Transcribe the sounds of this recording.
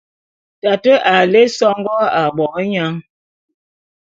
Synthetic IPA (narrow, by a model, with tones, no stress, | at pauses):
ta˨tə˦ʔa˨le˦sɔ˦ŋɡɔ˦a˨ɓɔ˨ɣɲa˦ŋ